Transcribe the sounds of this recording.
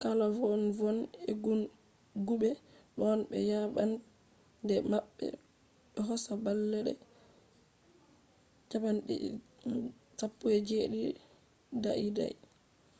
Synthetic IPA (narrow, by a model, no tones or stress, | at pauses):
kalɔvɔnvɔnɛɡun | ɡuɓɛɗɔnɓɛ̰jaɓan | dɛmaɓːɛ̰ | ɓɛɦɔsabalːɛɗɛ̰ | d͡ʒabanɗɛ̰ | sapːuɛd͡ʒeɗi | daʔida̰j